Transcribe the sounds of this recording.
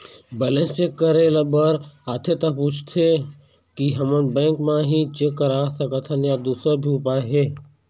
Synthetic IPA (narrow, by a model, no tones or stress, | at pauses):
bɛlẽnsekːəɾeləbəɾaːt̪ʰet̪ɐpuːt͡ʃʰt̪ʰe | kiɦɐmənbɛ̃ːŋkmãɦit͡ʃekːəɾasəkət̪ʰənjad̪uːsəbʱiːpaɦeː